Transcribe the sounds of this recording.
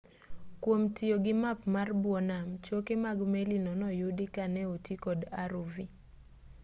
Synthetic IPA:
kwomtɪoɡɪmapmarbwɔnamt͡ʃokemaɡmelinɔnɔjudikanɛutikɔdaɾuvi

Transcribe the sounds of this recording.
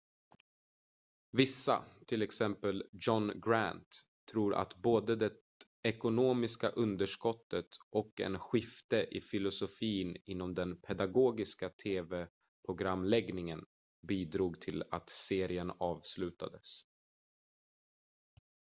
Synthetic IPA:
vɪsːa̰t̪ʰɪlɛksɛmpəld͡ʒɔnɡɾænt̪ʰː | ɾuːɾʔa̰t̪boːd̪əd̪ɛ | ɛkʊnoːmɪska̰ʔɵnd̪əʂkɔt̪ːət̪ʔɔkɛ̰nɧɪft̪əʔɪfɪlʊsʊfiːnɪnːɔmd̪ɛnpʰɛd̪aɡoːɡɪskat̪ʰeːvɛ | pʰɾʊɡɾamːlɛɡnɪŋən | biːd̪ɾuːɡt̪ʰɪla̰t̪seːɾɪənɑːvslʉ̟ːt̪a̰d̪əs

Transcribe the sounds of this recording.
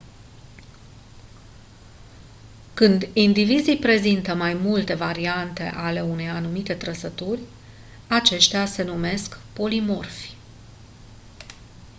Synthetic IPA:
kɨnd̪ind̪ivizijpɾe̞zint̪əmajmult̪e̞vaɾiant̪e̞̰ʔale̞une̞janumit̪e̞t̪ɾəsət̪urʲ | at͡ʃe̞ʃt̪ease̞nume̞skpo̞limo̞rf

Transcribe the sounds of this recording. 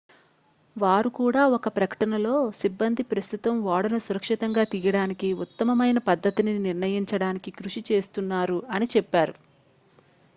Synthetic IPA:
ʋaːɾukuːɽaːɔkɐpɾɐkɐ̥ʈɐnɐlo̞ːsibːɐnd̪ʱipɾɐst̪ut̪ɐmʋaːɽɐnɐsuɾɐkʂit̪ɐŋɡaːt̪ijɐɽaːnikiut̪ːɐmɐmɐjnɐpɐd̪ʱːɐt̪ininiɾnɐjiɲt͡ʃɐɽaːnikikɾuʂit͡ʃe̞ːst̪unːaːɾuɐnit͡ʃɛpːaːɾu

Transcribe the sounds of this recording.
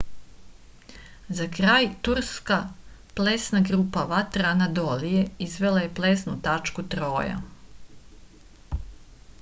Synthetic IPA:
zakɾaːjt̪uɾskaplesnaɡɾupaʋat̪ɾaanad̪olije̞izʋe̞laje̞plesnut̪at͡ʃkut̪ɾo̞ːja̰

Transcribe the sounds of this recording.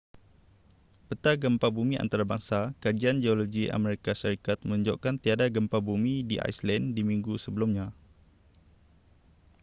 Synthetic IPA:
pət̪aɡəmpabumĩʔa̰nt̪aɾabaŋsakad͡ʒiand͡ʒeoloɡiʔa̰mɛɾikaʃaɾikat̪̚mə̃uɲd͡ʒo̰ʔkant̪iadaɡəmpabumidiʔa̰jslɛndimiŋɡusəbəlumɲã

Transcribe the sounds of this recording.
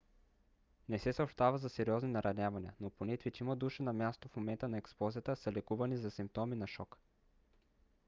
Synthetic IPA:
nɛsɛsɐopʃt̪avɐzɐsɛɾʲiɔzninɐɾʔɐnʲavɐniənoponɛt̪vʲit͡ʃiməd̪uʃənɐmʲjast̪ofmomɛnt̪ənɐɛksplˠɔzijət̪əsəlɛkuvɐnizɐsimp̚t̪ɔminɐʃɔk

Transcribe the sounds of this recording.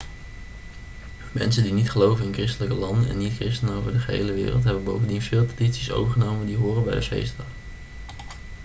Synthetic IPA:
mɛ̰nsəndinitχəlowvənɪnkrɪstələkəlɑndənɛ̰nːitkrɪstənəowvəɹdəχəɦḛjləʋɪ̰ːrəlˠtɦɛbənbowvəndinvɪːlˠpḁditsiso̰wvəɹχənowməndiɦʊːrənbɛjdəfḛjstəə

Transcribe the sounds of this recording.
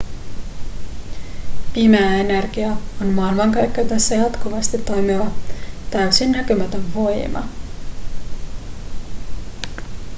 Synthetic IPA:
pimæːe̞nerɡ̥iɑonmɑːilmɑŋkɑjkːæt̪æsːæjɑt̪kuʋɑst̪it̪ːo̞jmiʋɑt̪æɥysinːækømæt̪øɱʋo̞jmɑ̰

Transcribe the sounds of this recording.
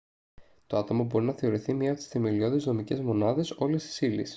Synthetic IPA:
t̪oɐt̪o̞mɐbo̞ɾinɐθeo̞ɾiθimɲɐːpot̪i̥sθe̞me̞lio̞ðezno̞mice̞zmo̞nɐðe̞so̞le̞st̪i̥silḭs

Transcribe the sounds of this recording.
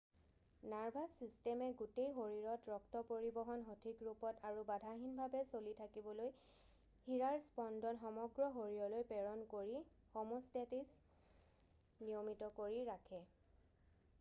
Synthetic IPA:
naɹbʱasistɛmɛɡutejɦoɹiɹɔtɹɔktɔpoɹibɔɦɔnɦotʰikɹupɔtaɹubadʱaɦinbʱabɛsolitʰakibɔloj | hiɹaɹspɔndʱɔnxɔmɔɡɹɔɦoɹijɔlojpɛɹɔnkoɹi | xɔmostetis | nijɔmitɔkoɹiɹakʰɛ

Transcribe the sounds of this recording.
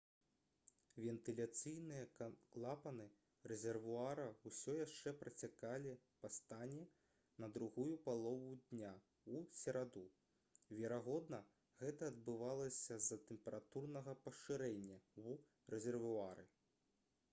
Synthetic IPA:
vʲɛnt̪ɨlʲat̪sɨjnɨjɐlˠapɐnɨ | rɛzʲɛrvuaɾɐwsʲɔjaʂt͡ʂɛpɾɐt͡sʲakalʲipɐst̪anʲɛ | nɐd̪ɾuɣujupalˠɔvud̪ʲnʲa | usʲɛɾad̪u | vʲɛɾaɣɔd̪nɐ | ɣɛt̪ɐːd̪bɨvalˠɐsʲɐzɐt̪ɛmpʲɛɾat̪urnɐɣɐpɐʂɨɾɛnʲːɐu | rɛzʲɛrvuaɾɨ̰

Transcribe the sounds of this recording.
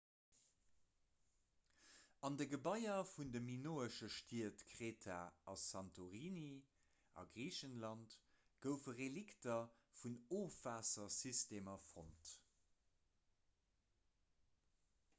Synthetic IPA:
ɑndəɡəbɑɪɐfundəminoːəʃəʃtiətkʁeːtʰaːɑsɑntoʁiːni | ɑ̰ɡʁiːɕənlɑntɡ̥əʊfəʁeliktɐfunoːfvaːsɐsisteːmɐfʁont

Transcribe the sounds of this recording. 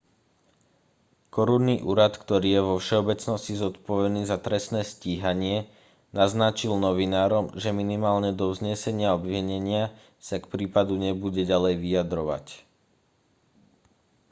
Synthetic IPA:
kɔɾunːiʔuːɾat̪kt̪ɔɾiːjɛʋɔfʃɛɔbɛt͡snɔscizɔt̪pɔʋɛniːzat̪ɾɛsnɛːsciːɦaɲɪɛ | naznat͡ʃilnɔʋinaːɾɔmʒɛminimaːlɲɛd̪ɔʊzɲɪɛsɛɲɪaɔbʋiɲɛɲɪa | sakpɾiːpad̪uɲɛbuɟɛɟalɛjʋijad̪ɾɔʋa̰c

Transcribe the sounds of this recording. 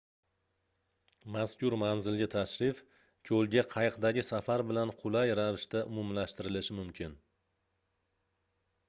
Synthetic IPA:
maskʲʊɾmanzɪlɡʲat̪ʰaʃɾɪf | kʲʰɵlɡʲaqʰɑjqd̪aɡʲɪsafaɾbɪlanqʰʊlajɾavɪʃt̪aʔʊmumlaʃt̪ɪɾɪlɪʃɪmʊmkʲʰɪn

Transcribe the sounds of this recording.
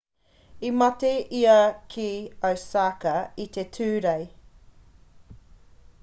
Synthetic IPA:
imɐteʔiɐkʰiɐwsaːkɐit̪etʰʉːɾej

